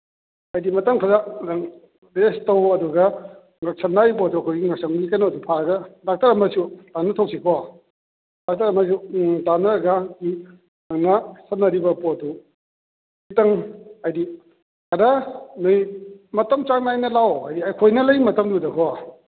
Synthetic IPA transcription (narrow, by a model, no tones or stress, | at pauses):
ɐjdimɐtɐmkʰazadɐŋ | destɐwɐduɡɐ | ŋak̚sʰɐtnaɾipɔɐduɐkʰojɡiŋasaŋdikanoɐdupʰaɐɡɐdak̚taɾɐmɐsutanɐtʰow̚sʰikʰɔa | dak̚tɐɾɐmɐs̬utanɐɡaki | nɐŋnɐsɐnɐɾibɐpɔɐdu | itɐŋajdi | kaɾanojmɐtɐmt͡ʃaŋnajnɐlawajdiajkʰojnɐlɐjmɐtɐmdudɐkʰɔa